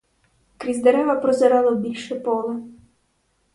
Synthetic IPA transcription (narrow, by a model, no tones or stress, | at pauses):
kɾʲizd̪eɾɛʋɐpɾɔzɐɾɑlˠɔbʲilʲʃɛpɔlˠɐ